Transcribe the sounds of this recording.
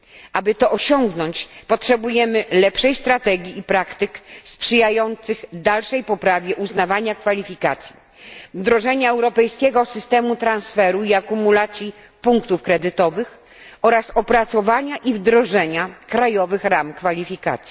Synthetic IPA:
ʔabɘt̪ɔʔɔɕɔŋɡnɔɲt͡ɕpɔtʂɛbujɛmɘlɛpʂɛjst̪ɾat̪ɛɡʲiːpɾakt̪ɘkspʂɘjajɔnt̪sɘɣd̪alʂɛjpɔpɾavʲjɛʔuznavaɲakfalʲifʲika̰t̪sʲji | vd̪ɾɔʐɛɲaɛwɾɔpɛjskʲɛɡɔsɘst̪ɛmut̪ɾãnsfɛɾuiakumulat̪sʲji | puŋkt̪ufkɾɛd̪ɘt̪ɔvɘx | ɔɾasɔpɾat̪sɔvaɲaʔivd̪ɾɔʐɛɲakɾajɔvɘxɾamkfalʲifʲika̰t̪sʲj

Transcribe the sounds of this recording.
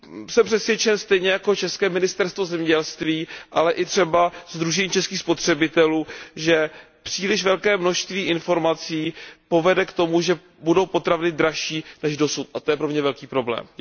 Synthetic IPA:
sɛmpr̥ɛsvjɛt͡ʃɛnst̪ɛjɲɛjako̞t͡ʃɛskɛːmɪnɪst̪ɛɾst̪vo̞zɛmɲɛɟɛlst̪viːʔalɛʔɪt̪r̝̥ɛbazd̪ɾuʒɛɲiːt͡ʃɛskiːxspo̞t̪r̝̥ɛbɪt̪ɛluːʒɛ | pr̝̥iːlɪʃvɛlkɛːmno̞ʃst̪viːʔɪnfo̞ɾmat͡siːpo̞vɛdɛkt̪o̞muʒɛ | budowpo̞t̪ɾavnɪd̪ɾaʃiːnɛʒdo̞sut̪ʔat̪o̞jɛpɾo̞mɲɛvɛlkiːpɾo̞blɛ̰ːm

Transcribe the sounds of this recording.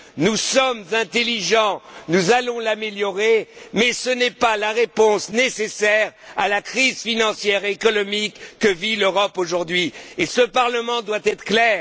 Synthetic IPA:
nusɔmzɛ̃t̪eliʒɑ̃nuzalɔ̃lameljɔʁemɛsənɛpalaʁepɔ̃snesesɛʁalakχizfinɑ̃sjɛʁːkɔnɔmikːəviløʁɔpoʒuʁd̪ɥiesəpaʁləmɑ̃d̪wat̪ɛt̪χəklɛːʁ

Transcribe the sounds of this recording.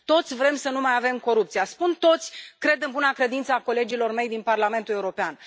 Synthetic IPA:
t̪o̞t̪sʲvɾe̞msənumajave̞mko̞ɾupt̪sijaspunt̪o̞t̪sʲkɾe̞d̪ɨnbunakɾe̞d̪int̪səako̞le̞d͡ʒilo̞rme̞jd̪inparlame̞nt̪ule̞uɾo̞pean

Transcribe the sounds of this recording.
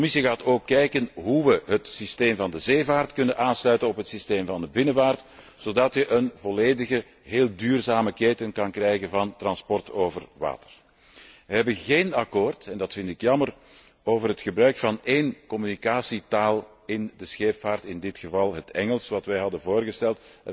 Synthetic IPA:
ɔmɪsiɣaːtoːkːɛjkənɦuʋəɦətsisteːmvɑndəzeːvaːrtkɵnənʔaːnslœɥtənɔpɦətsisteːmvɑndəbɪnəvaːrt | z̥oːdɑtjəʔənvɔleːdəɣə | ɦeːlˠdyːrzaːməkeːtənkɑnkrɛjɣənvɑntrɑnspɔrtoːvərʋa̰ːtə̥r | ʋəɦɛbəɣeːnɑkoːrtɛndɑtfɪntɪkjɑmər | oːvərɦətxəbrœɥkfɑneːnkɔmynikaːsitaːlˠ | ɪndəsxeːpfaːrtɪndɪtxəvɑlˠɦətɛŋəlˠsʋɑtʋɛjɦɑdənvoːrɣəstɛlˠt

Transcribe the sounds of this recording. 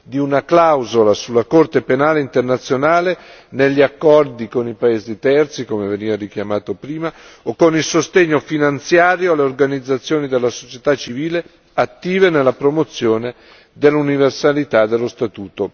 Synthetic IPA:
d̪iunaklawzolasulːakort̪epenaːleint̪ernat̪sːjonaːleneʎːiakːɔrd̪ikonipaeːzit̪ɛrt̪sikomeveniːvaɾik̟jamaːt̪opɾiːmaokːonilsost̪eɲːofinant̪sjaːɾjoalːeorɡanid̪zːat̪sːjoːnid̪elːaso̥t͡ʃet̪at͡ʃːiviːle | at̪ːiːvenelːapɾomot̪sːjoːne | d̪elːuniversalit̪ad̪elːost̪at̪uːt̪o

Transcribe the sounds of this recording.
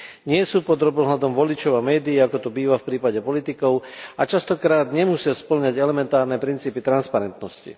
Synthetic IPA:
ɲɪɛsuːpɔd̪ɾɔbɔɦlad̪ɔmʋɔlit͡ʃɔʊamɛːd̪iːakɔt̪ɔbiːʋafpɾiːpaɟɛpɔlit̪ikɔʊat͡ʃast̪ɔkɾaːd̪ɲɛmusɪaspl̩ɲaɟɛlɛmɛnt̪aːɾnɛpɾint͡siːpit̪ɾanspaɾɛnt̪nɔscḭ

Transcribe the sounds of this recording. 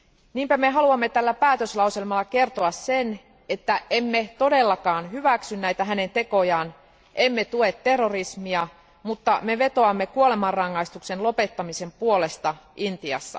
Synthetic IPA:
niːmpæmeɦɑluɑmːe̞t̪ælːæpæːt̪øslɑuselmɑlːɑke̞rt̪oɑsse̞n | e̞t̪ːæʔemːe̞t̪o̞de̞lːɑkɑːnɦyʋæksynnæjt̪æɦæne̞nt̪e̞ko̞jɑːn | ʔe̞mːet̪ue̞t̪ːe̞rːorismiɑ | mut̪ːɑme̞ʋe̞t̪o̞ɑmːekuole̞mɑrrɑŋːɑist̪ukse̞nlo̞pe̞t̪ːɑmise̞mpuo̞le̞st̪ɑʔint̪iɑ̰sːɑ̰

